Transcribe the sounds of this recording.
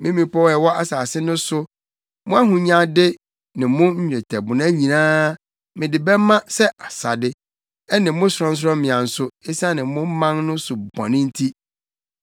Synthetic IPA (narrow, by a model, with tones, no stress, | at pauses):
mɪ̃˦mĩ˨pʰɔ˦wɛ˨wɔ˦a˦saː˨sɪ˦nʊ̃˦sʊ˦ | mʊ̃˦a˦ɦʊ̃˨ɲã˦dɪ˦ | nɪ̃˨mʊ̃˦ɲ̩˦ɲᶣ˨ɛ˨tʰɛ˨bʊ˨nã˦ɲĩ˨nãː˦ | mɪ̃˨dɪ˨bɛ˦mã˦sɛ˦a˨sa˨dɪ˦ | ɛ˦nɪ̃˨mʊ̃˦sɾɔ̃˦n̩˦s̬ɾɔ̃˦mɪ̃˨ã˨n̩˨sʊ˦e˦sa˦nɪ̃˨mʊ̃˦mã˦nnʊ̃˦sʊ˨bɔ̰̃˨nɪ̃˦n̩˦tʰi˦